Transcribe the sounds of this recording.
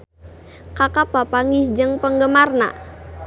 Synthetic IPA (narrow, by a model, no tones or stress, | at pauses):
kakapapaŋisd͡ʒəŋpəŋɡəmarna̰